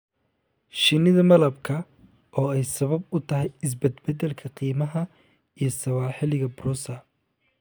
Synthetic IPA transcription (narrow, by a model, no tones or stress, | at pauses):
ʃɪnɪðɐmɐlɐbkʰɐ | ʔɔːɛjsɐβɐbʊt̪ʰɐɦɛjɪs̬bɛd̪bɛd̪ɛlkʰɐqiːmɐɦɐ | ijɞsɐwaːħɪlɪɣɐbruːsɐ